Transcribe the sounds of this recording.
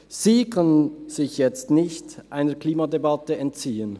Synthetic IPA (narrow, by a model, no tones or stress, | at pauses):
z̥iːkʰœnənnz̥ɪçjɛt͡stnɪçtʔa̰ɪnəkʰliːmadebɑtəɛntt͡siːən